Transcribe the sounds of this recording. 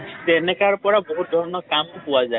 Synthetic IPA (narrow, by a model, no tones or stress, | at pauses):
t̪enekaɾɔpɔɽaboɦut̪̚d̪ʱɔɾɔnɔkamkupuwad͡ʒae